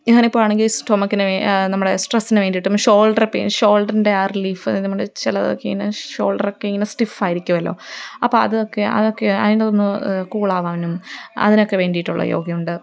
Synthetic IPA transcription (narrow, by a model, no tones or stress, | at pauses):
iŋːɐːnipːoːɭaːɳeŋɡilsʈoːmɐkːinɨenɐmːuɽe̞sʈrɐsːinɨʋe̞ːɳɖijiʈːumːɕo̞ːɭɖɐrɐpːḛːmɕo̞ːlɖɐrindeaːrliːfɐnimːuɽet͡ɕilɐðo̰kːeḭŋːɐneɕo̞ːɭɖɐrokːeiŋːɐnesʈifaːjiɾikʲːumɐlːo̞̰ːɐpːoɐðɨokːe̞ɐ̰ðokːeɐ̰ðindetonːukuːɭaːʋaːʋɐnumɐ̰ðinokːe̞ʋe̞ːɳɖijiʈːuɭːɐ̰jo̰ːɡjɐmuɳɖɨ